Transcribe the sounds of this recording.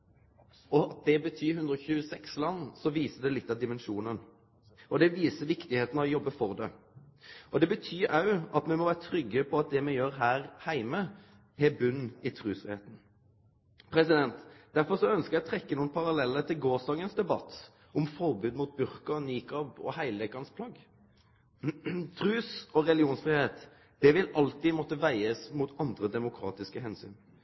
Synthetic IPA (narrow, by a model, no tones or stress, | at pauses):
ɔɑt̪̚d̪ɛbət̪ʰyːhʉnd̪ɾɔçʉːəsɛkslɑnːsɔʋiːsəd̪ɛlɪt̪ːɑd̪ɪmɛnʃuːnən | ɔd̪ɛʋiːsəʋɪkt̪ɪheːt̪nɔjɔbːəfɔʁd̪ɛ̰ | ʔɔd̪ɛbət̪ʰyːɾɑʉɑt̪mɛmɔʋæːʁət̪ʰɾʏɡːəpʰɔɑt̪̚d̪ɛmɛjøːɾɦæːɾhæɪmə | hɛbʉnːɪt̪ʰɾʉːsfʁɪhḛːt̪n̩ | pʰɾɛsɪd̪ɛnt̪d̪æɾfɔɾsɔœnskəjæɛɔt̪ʰɾɛkːənuːənpʰɑɾɑlɛlːət̪ʰɪlɡoːsd̪ɑːɡənsd̪ɛbɑt̪ | ʔɔmfɔʁbʉːd̪muːt̪̚bʉɾkɑniːkɑbɔ̰hæɪlʋɛkɑnspʰlɑɡ | t̪ʰɾʉːsɔɾɛlɪuːnsfɾɪheːt̪ | d̪̥ɛʋɪlɑlt̪ɪmɔt̪ːəʋæɪəsmuːt̪ɑnd̪ɾəd̪ɛmʊkʰɾɑ̰ːt̪ɪskəhɛnsy̰ːn